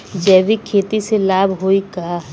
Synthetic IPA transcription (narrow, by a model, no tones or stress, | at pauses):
d͡ʒɛːʋikʰeːt̪iselaːbʱɦoikaː